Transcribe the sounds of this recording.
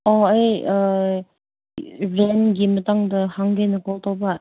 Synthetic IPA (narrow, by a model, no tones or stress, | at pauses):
ɔɐj | ɾenɡimɐtaŋdɐhaŋɡenɐkɔltawbɐ